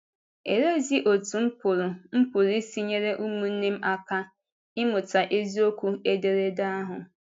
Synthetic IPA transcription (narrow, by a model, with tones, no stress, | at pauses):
e˨ɾe˦zi˦ʔo˨tu˨m̩˦pʊ˨ɾʊ˨m̩˦pʊ˨ɾi˦si˦ɲe˦ɾe˦ʔu˦mu˨n̩˦ne˦m̩˦a˦ka˦ | ɪ˦mʊ˨ta˨ʔe˦zi˦o˦kʷu˦e˦de˨ɾe˦da˦a˦ɦʊ˨